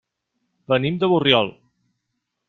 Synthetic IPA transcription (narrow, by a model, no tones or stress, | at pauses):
bənimd̪əβurjɔlˠ